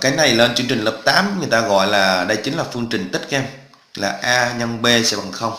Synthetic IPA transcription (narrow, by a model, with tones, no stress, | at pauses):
kaː˨˦jna˨˩jle˧nt͡ɕɨ˧əŋt͡ɕï˨˩ŋ̟ləː˨˩p̚t̪aː˨˦mŋɨ˨˩əjt̪aː˧ɣɔ̰˧˨jlaː˨˩ɗə˧jt͡ɕï˨˦ŋ̟laː˨˩fɨ˧əŋt͡ɕï˨˩ŋ̟t̪ï˦˥t̚ʔɛ˧m | laː˨˩ʔaː˧ɲə˧nɓe˧sɛ̰˧˥ɓa˨˩ŋxə˧wŋ͡m